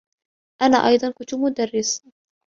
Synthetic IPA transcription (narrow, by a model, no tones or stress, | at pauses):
ʔanaːʔɑjd̪ˤɑnkʊnt̪ʊmʊd̪arːɪs